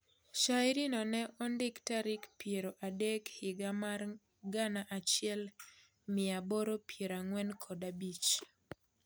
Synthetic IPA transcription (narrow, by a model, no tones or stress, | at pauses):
ʃaɪɾinɔnɛʔɔndɪktaɾɪkpjeɾoʔadɛkhɪɡamar | ɡanaʔat͡ʃɪɛl | mɪaboɾopʰjeɾaŋwɛnkʰɔdabit͡ʃ